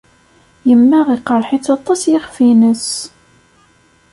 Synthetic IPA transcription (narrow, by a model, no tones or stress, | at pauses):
jəmːæʁiqːəɾˤħɪt͡sːɑt̪ˤːɑsjɪχfinəs